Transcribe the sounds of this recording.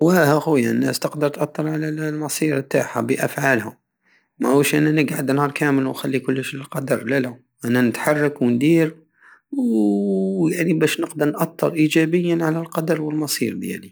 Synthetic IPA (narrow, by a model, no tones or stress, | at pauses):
wæhæxujanːæ̰st̪əqd̪əɾˤt̪ʔɑt̪ˤːɑɾˤʕalælmɑsˤiɾbt̪a̰ħa̰bəʔæfʕalhʊm | mæʔwəʃʔænːænəɡʕad̪nhɑːɾˤkæməlwnxælːikʊlːəʃləlqɑd̪ɑɾˤlælæ | ʔænːænət̪ħɑrˤːɑkwnd̪iɾ | w | jaʕnibæʃnəqd̪əɾˤnʔɑt̪ːəɾˤʔid͡ʒæbəjːænʕalælqɑd̪ɑɾˤwəlmɑsˤḭɾd̪jæ̰li